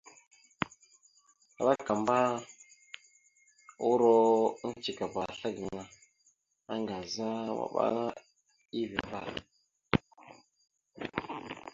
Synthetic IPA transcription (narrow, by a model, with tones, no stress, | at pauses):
a̰˨ɓa˦ka˨mba˦ | u˦ɾo˦n˦t͡ʃi˨ka˨ba˨ɬa˦ɡə˨ŋa˨ | a˦ŋɡa˨za˦wa̰˨ɓa̰˦ŋa˦ | i˦vi˨ba̰˦˨